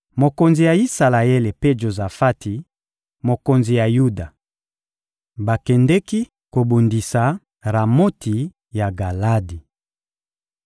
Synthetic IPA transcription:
mo˨ko˨nzi˨ja˨i˦sa˨la˨e˦le˨pe˦ʒo˨za˨fa˦tʰi˨ | mo˨ko˨nzi˨ja˨ju˦da˨ | ba˨kɛ˨ndɛ˦ki˦ | ko˨bu˨ndi˨sa˨ | ʁa˨mo˦tʰi˨ | ja˨ɡa˨la˦di˨

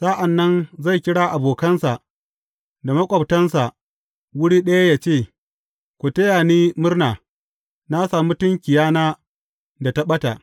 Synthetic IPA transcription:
saː˦ʔa˨nːɐ˦nza˦˨jkʲɪ˦ɽaː˦ʔa˨boː˨kɐ˦nsa˨ʔ | da˨mɐ˦kʷʼɐ˨btɐ˦nsa˨ʔ | wʊ˦ɽiː˦ɗɐ˦ja˦jaː˨t͡ʃeː˦˨ | kʷu˨tɐ˦jaː˨niː˦mʊ˦rnaː˨ | na˦saː˨mu˦tʊ˦ŋkʲɪ˨jaː˦naː˦ | da˨ta˦ɓɐ˦ta˨ʔ

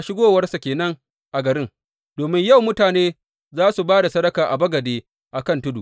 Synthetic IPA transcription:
a˨˦ʃɪ˦ɡoː˦wɐ˦rsa˨kʲeː˨nɐ˦ŋ | ʔa˨ɡɐ˨ɾɪ˦ŋ | d̥oː˨mɪ˦ɲjɐ˦˨wmʊ˦taː˨neː˦ | zaː˦su˨baː˦da˨sɐ˦ɽɐ˦kaː˨ʔa˨bɐ˦ɡɐ˨deː˦ | ʔa˨kɐ˦˨ntʊ˦dṵ˨

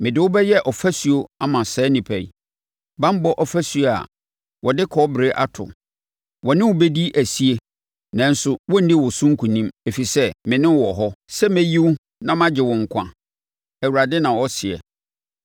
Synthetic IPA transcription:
mɪ̃˨dɪ˨ʊ˦bɛ˦jɛ˦ʔɔ˨fæ˦su˨o˦a˦mã˨sɛː˨˦nɪ̃˨pʰɛ˨ḭ˨ | bã˦m˦bɔ˦ʔɔ˨fæ˦su˨o˨a̰˨ | wɔ˨dɪ˦kʰɔ˦bɪ˨ɾe˦ʔa˦tʰʊ̰˨ | wɔ˨nɪ̃˦wʊ˨be˦di˦ʔæ˨si˦e˦ | nã˨n̩˦sʊ˨wɔ̃˦n̩˦dɪ̃˦wɔ˨sʊ̃˦ŋ̩˦kʰu˨nĩ˦me˨fi˨sɛ˦mɪ̃˨nɪ̃˦wɔ˨ɦɔ˦sɛ˦mɛ̃˦ji˦wu˦ | nã˦mã˦d͡ʑɪ˨wɔ̃˨ŋ̩˨kʷʰã̰˨ | æ˨wu˨ɾa˨dɪ˦nã˨wɔ˦sɪ˨ɛ̰˨

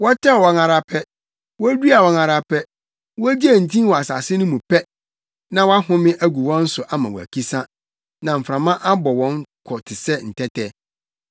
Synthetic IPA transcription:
wɔ˦tʰɛ˦˨wɔ˨ŋa˨ɾa˨pʰɛ˦ | wɔ˦du˦a˨wɔ˨ŋa˨ɾa˨pʰɛ˦ | wɔ˦d͡ʑi˦æ˨n̩˨tʰĩ˦wɔ˨a˨sa̰˨sɪ˦nʊ̃˦mũ˨pʰɛ˦ | nã˦wa˦ɦʊ̃˦mɪ̃˦ʔæ˦ɡu˨wɔ̃˦n̩˦sʊ˨ʔa˦mã˨wɔ̰˨æ̰˨kʰi˦sã˦ | nã˨m̩˨fɾã˨mã˦ʔa˦bɔ˨wɔ̃˦ŋ˦kʰɔ˨tʰɪ˨sɛ˦n̩˨tʰɛ˦tʰɛ˦

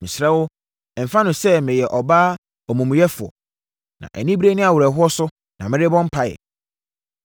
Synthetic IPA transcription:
mɪ̃˨sɾɛ˦wʊ˦˨ | m̩˨fã˦nʊ̃˨sɛ˦mɪ̃˨jɛ˨ʔɔ˨baː˦ | ɔ˨mũ˨m̃˨jɛ˦fʊ˨ɔ̰˨ | nã̰˨ʔæ̰˨nĩ˦bɾe˦nɪ̃˦a˨wɾæ˨ɦʊ˦ɔ˦sʊ˦ | nã̰˨mɪ̃˦ɾɪ˦bɔ̃˦m˦pʰa˦jɛ̰˨

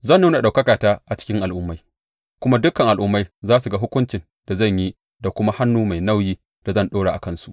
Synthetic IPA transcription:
zɐ˦˨nːuː˦na˨ɗa˨wkɐ˦kaː˨taː˦ʔa˨t͡ʃɪ̥˦kʲɪ˦ŋʔa˨lʔʊ˦mːa˦j | kʷʊ˦ma˦dʊ˦kɐ˨ŋʔa˨lʔʊ˦mːa˦jzaː˦su˨ɡa˦ɦʊ˦kʷʊ˦nt͡ʃɪ˨n | d̥a˨zɐ˦˨ɲji˦ | da˨kʷʊ˦ma˦ha˦nːuː˦ma˨jna˦˨wjiː˦ | d̥a˨zɐ˦˨nɗoː˦ɽa˨ʔa̰˨kɐ˦nsu˨ʔ

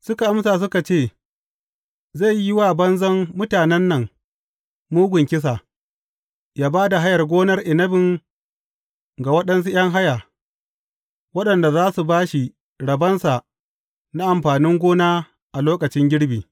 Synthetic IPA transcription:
sʊ˦ka˨ʔa˦msaː˨s̬ʊ˦ka˨t͡ʃeː˦˨ | za˦˨jɪ˦wa˦˨bɐ˦nzɐ˦mːʊ˦taː˨nɛ˦nːɐ˨ŋ | muː˦ɡʷʊ˨ŋkʲɪ˦s̬a˨ | jaː˦baː˦da˨ɦa˦jɐ˨rɡʷoː˦nɐ˦rʔɪ˨nɐ˦bɪ˨ŋ | ɡa˨wɐ˦ɗɐ˦ns̬u˦j̰ɐ˦ŋɦa˦ja˨ | wɐ˦ɗɐ˨nda˨zaː˦su˨baː˦ʃi˨ | ɽɐ˨bɐ˦nsa˨ | na˦ʔa˨mɸaː˨nɪ˦ŋɡʷoː˦naː˦ | ʔa˨loː˦kɐ˨t͡ʃɪ˦ŋɡʲɪ˦ɽbiː˨

